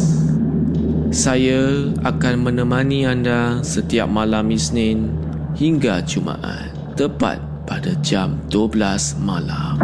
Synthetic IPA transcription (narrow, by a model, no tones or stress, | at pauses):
sajaa̰kanmə̃nə̃mãnĩandasət̪ia̰p̚mãlamisnɪ̃nhiŋɡat͡ʃuma̰ʔa̰n | t̪əpa̰t̪̚padad͡ʒamduəblasmalam